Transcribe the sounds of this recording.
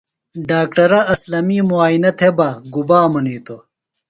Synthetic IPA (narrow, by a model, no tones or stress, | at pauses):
ɖaːk̚ʈɐɾɐɐslɐmiːmuaːjinɐt̪ʰebɐɡubaːmɐniːt̪o